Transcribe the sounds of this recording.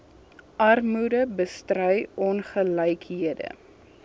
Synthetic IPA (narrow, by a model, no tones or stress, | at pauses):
ʔɐrmudəbəstrœjɔnχəlɛjkɦiədə̰